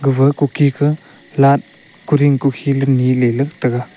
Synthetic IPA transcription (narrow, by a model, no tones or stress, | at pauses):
ɡɯbɐkukʰikʰɯ | lat̚ | kuɾiŋkukʰilɐnilelɐk̚tɐɡa